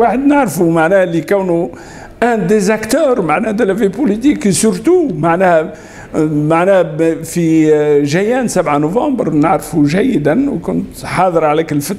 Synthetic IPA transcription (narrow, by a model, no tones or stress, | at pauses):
waħəd̪naʕɾfumaʕnæhlikæwnu | ʔæ̃d̪ezækt̪øːɾmaʕnæːhd̪elævipolit̪iksʊɾt̪umaʕnæh | maʕnæhfiʒæjæːnsæbʕanovɑ̃ːbəɾnəʕɾfuʒæjːɪd̪ænwkʊnt̪ħɑːðˤəɾʕalækəlfət̪